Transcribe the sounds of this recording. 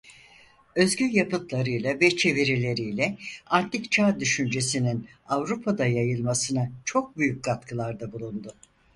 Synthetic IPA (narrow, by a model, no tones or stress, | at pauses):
ø̞zɟʲyɾjapɯt̪lˠaɾɯjlˠavɛt͡ʃʰe̞viɾilʲe̞ɾijlʲɛant̪ʰikt͡ʃʰaːd̪yʃynd͡ʒe̞sininavɾupʰad̪ajajɯlˠmasɯnat͡ʃʰo̞k̚byjyc̚ɡat̪kʰɯlˠaɾd̪abulˠund̪ʊ